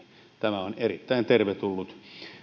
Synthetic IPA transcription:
t̪æmæonerit̪ːæˑint̪erʋet̪ulːut̪

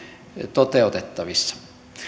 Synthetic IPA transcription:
t̪ot̪eˑut̪et̪ːɑʋisːɑ̥

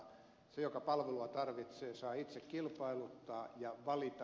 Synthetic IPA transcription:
sejokɑpɑlʋeluɑt̪ɑrʋit̪seːsɑːit̪sekkilpɑilut̪ːɑːjɑʋɑlit̪ɑ

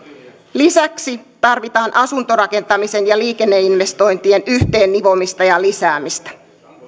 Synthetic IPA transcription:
lisæksit̪ɑrʋit̪ɑːnʔɑsunt̪o̞ɾɑke̞nt̪ɑmise̞njɑliːke̞nːe̞inʋe̞st̪o̞jnt̪ie̞nyht̪e̞ːnːiʋo̞mist̪ɑjɑlisæːmist̪æ̥

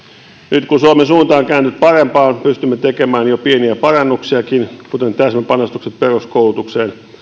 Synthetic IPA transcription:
nyt̪kusuɑmesuːnt̪ɑːŋkæːnt̪yt̪̚pɑrempɑːnpyst̪ymːet̪ekemæːnjopieniæpɑrɑnːuksiɑkinkut̪ent̪æsmepɑnost̪ukset̪peruskoulut̪ukseːn

